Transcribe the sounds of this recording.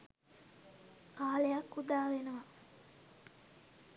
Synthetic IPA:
kaːlejakːud̪aːʋenəʋɐ

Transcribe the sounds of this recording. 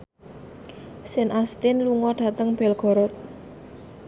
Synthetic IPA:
sɪnʔast̪ɪnluŋɔɖ̥a̤t̪əŋb̥ɛlɡ̥ɔ̤ɾɔt̪̚

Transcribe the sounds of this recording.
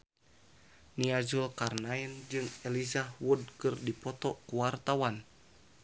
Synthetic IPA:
niad͡ʒulkarnaind͡ʒɨŋɛlizahwud̚kɨrdipɔt̪ɔkuwart̪awan

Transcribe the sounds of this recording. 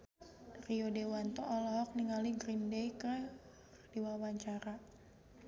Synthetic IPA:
riodewant̪ɔʔɔlɔɦɔk̚niŋaliɡɾindejkə | diwawaɲt͡ʃaɾa

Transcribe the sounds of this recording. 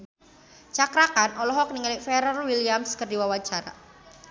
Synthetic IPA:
t͡ʃakɾakanʔɔlɔɦɔk̚niŋalifɛɾɔrwilijamskərdiwawat͡ʃaɾa̰

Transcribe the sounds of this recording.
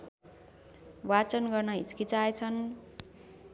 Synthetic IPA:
wat͡sʌnɡʌrnʌɦḭt͡skit͡saet͡sʰʌn

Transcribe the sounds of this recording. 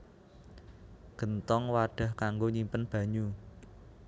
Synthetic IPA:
ɡ̥ə̤nt̪ɔŋwaɖ̥a̤hkaŋɡoɲimpənb̥ä̤ɲu

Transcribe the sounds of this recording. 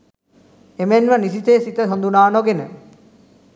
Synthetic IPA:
emenʋənisit̪eːsit̪əɦond̪unaːnoɡenə̰

